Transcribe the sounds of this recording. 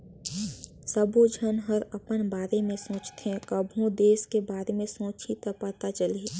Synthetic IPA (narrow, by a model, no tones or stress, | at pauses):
səbʱod͡ʒʱənɦəɾɐpənbaːɾemẽsõːt͡ʃt̪eɦɛ̃kəbʱõd̪eːskebaːɾemẽsõːt͡ʃʰit̪apət̪at͡ʃəle